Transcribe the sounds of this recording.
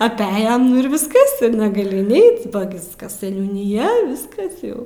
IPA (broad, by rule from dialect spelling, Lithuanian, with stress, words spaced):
ɐpʲˈæːjɛm nʊ ɪr ʋʲɪsˈkɐs ɪr nʲɛɡɐˈlʲɪ ɪnʲˈɛɪt bɐ ˈɡʲɪskɐs sʲɛnʲuːnʲɪˈjɛ ˈʋʲɪskɐs jɛʊ